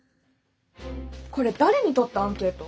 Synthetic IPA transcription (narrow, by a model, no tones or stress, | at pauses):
ko̞ɾe̞d̪aɾe̞ɲ̟it̪o̞t̪ːaãŋke̞ːt̪ːo